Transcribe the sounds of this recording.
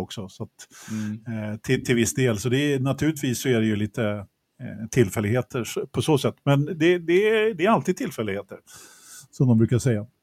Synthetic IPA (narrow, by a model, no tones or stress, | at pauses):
ɔksɔsat̪ | t̪ʰɪt̪ʰɪlvɪsːd̪eːlsɔd̪ɛnat̪ʰʉːlɪt̪viːsːɔæɖɛjɵliːt̪ə | t̪ʰɪlːfɛlɪɡheːt̪ʰəʂpʰɔsoːsɛt̪ːmɛnd̪ɛd̪ɛd̪ɛæɾalt̪iːd̪̚t̪ʰɪlfɛlːɪɡheːt̪əɾ | sɔmd̪ɔmbɾʉ̟ːkaɾʂɛjːa